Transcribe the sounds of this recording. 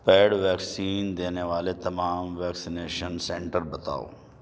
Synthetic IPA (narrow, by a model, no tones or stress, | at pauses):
pɛːɽʋɛːksiːnd̪eːneʋaːlet̪ɐmaːmʋɛːksɪneːʃənsɛ̃ːɳʈəɾbɐt̪a̰ːo̰ː